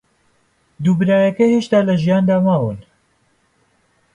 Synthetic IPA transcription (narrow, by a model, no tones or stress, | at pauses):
d̪uːbɨɾaːjɐkɐheːʃt̪aːlɐʒijaːnd̪aːmaːwɨn